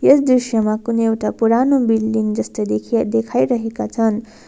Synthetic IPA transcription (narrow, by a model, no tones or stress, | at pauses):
jesd̪risjʌmakunʌewʈapuɾanobilːind͡zʌst̪ʌd̪ekʰd̪ekʰajɾʌɦekat͡sʰʌn